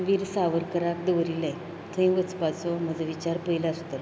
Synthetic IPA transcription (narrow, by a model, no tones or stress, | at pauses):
ʋiɾsaʋəɾkəɾak̚d̪əʋɾiləj | t̪ʰə̃ĩʋət͡spat͡sɔm̤əd͡zʱəʋit͡ɕaɾpəilaəst̪əl